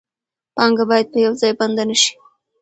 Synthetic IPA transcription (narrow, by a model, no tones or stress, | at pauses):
pɑŋɡabɑjad̪̚pəjawzɑjband̪anəʃi̥